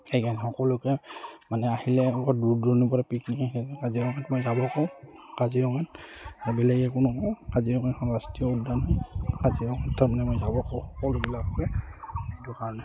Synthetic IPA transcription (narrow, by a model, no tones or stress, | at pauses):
ejkʰanɛxɔkɔlʊkɛmanɛahilɛuɡɔduɹdɔnipɔɹapikniahilɛɛkaziɹɔŋɛtmojzabɔkɔʊ̃kaziɹɔŋɛtaɹubɛlɛɡɛkʊnʊkɔ̃w̃kaziɹɔŋɛkʰɔɹastijɔuldanɦɔkaziɹɔŋɛttʰːamanɛmojzabɔkɔʊ̃xɔkɔlʊbilakɔbɛijtukaɹɔnɛ